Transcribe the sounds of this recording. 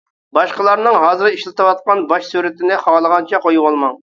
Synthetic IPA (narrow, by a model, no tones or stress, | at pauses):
bɑʃqəlˠɑɾnɨŋɦɑːzɨɾiʃlˠɨt̪ɨwɑt̪̚qɑnbɑʃsuɾɪt̪ɪnɪχɑlˠəʁɑnt͡ʃʰɛqojuwɑlˠmɑŋ